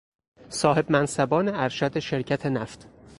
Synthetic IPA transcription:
sɒːhe̞bmænsæbɒːneæɾʃæd̪eʃe̞ɾcʰæt̪ʰe̞næft̪

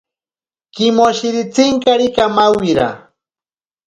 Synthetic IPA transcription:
kɪmoʃɪɾɪt͡sɪŋkaɾɪkamawiɾa̰

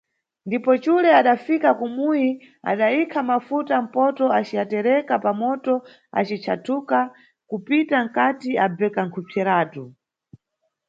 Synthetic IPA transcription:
ndipɔt͡ʃulɛaɗafikakumuji | a̰ɗaikʰamafutam̩pɔtɔat͡ʃiatɛɾɛkapamɔtɔ | a̰t͡ʃit͡ʃʰatʰuka | kupitaŋ̩katiabɛkaŋkʰupʰɛɾaːtu

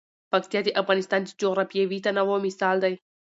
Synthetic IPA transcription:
pɐkt̪ijad̪iʔafɣanist̪aːnd̪id͡ʒoɾapijeʋit̪anɐʋomisald̪aj

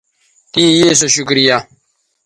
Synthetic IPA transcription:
tijes̬oʃukɾija

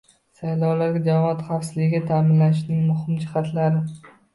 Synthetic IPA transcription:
sajlɒwlaɾɡʲad͡ʒavɒt̪χɑfsɪzlɪɡʲɪɡʲat̪ʰamɪnlanɪʃnɪŋmʊhɪmd͡ʒɪχɑt̪ʰlaɾɪ

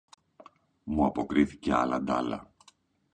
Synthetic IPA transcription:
muɐpo̞kɾiθi̥ce̞ɐ̰lɐd̪ɐlɐ̰

